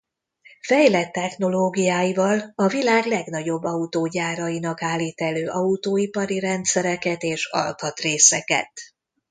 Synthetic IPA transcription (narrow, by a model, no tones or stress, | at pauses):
fɛjlɛt̪ːɛxno̞loːɡijaːjivɒlɒvilaːɡlɛɡnɒɟo̞bːɒut̪oːɟaːɾɒjinɒkaːlːiːt̪ɛløːʔɒut̪oːipɒɾiɾɛnt̪sɛɾɛkɛt̪eːʃɒ̰lt̪ɒt̪reːsɛkɛ̰t̪